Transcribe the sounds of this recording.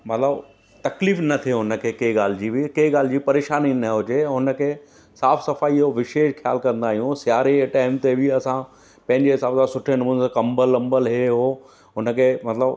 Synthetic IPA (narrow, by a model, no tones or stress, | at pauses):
mɐt̪ləb | t̪ɐkliːfnɐt̪ʰiɦʊnə̆kʰeːkeːɡaːl̤ɪd͡ʑibikeːɡaːl̤ɪd͡ʑiːpɐɾeːʃaːninɐɦʊd͡ʑeɦʊnə̆kʰeː | saːfsɐfaːioʋɪʃeːʃxʰjaːlkɐ̃nd̪aːɦijũsjaːɾeʈaːɪmt̪ebɪɐsã | pɐ̃ɦɪ̃ɲd͡ʑeɦɪsaːbsasʊʈʰenmuːnskɐ̃mbəlːɐ̃mbəlɦeɦoː | ɦʊnəkʰeːmɐt̪ləb